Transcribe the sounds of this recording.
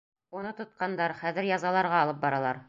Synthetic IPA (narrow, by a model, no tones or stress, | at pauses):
unɤt̪ŏt̪̚qɑnd̪ɑɾχæðɘ̆ɾjɑzɑlˠɑɾʁɑːlˠɤp̚bɒɾɑlˠɑɾ